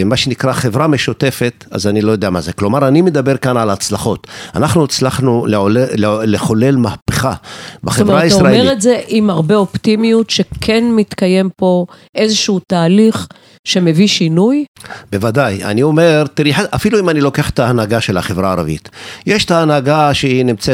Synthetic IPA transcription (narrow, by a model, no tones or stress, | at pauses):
maʃenikʁaχe̞vʁameʃut̪e̞fe̞t̪a̰zanilo̞jodeamazeklo̞maʁanime̞d̪abe̞ʁkanʕalat͡slaχo̞t̪a̰naχnuat͡slaχnueoleχo̞le̞lmahpeχabaχevʁaaisoʁaemeʁetze̞ʔimaʁbeopt̪imijutʃe̞kʰenmit̪kaje̞mpo̞ʔezeʃuutaːliχ | ʃe̞meviʃinujbe̞vadaja̰nio̞me̞ʁt̪iɾiħaʔafiluimanilo̞keaχe̥t̪aːnaɡaʃelaχe̞vʁaːʁa̰vḭt̪jeʃt̪aːnaɡaʃeinimt͡se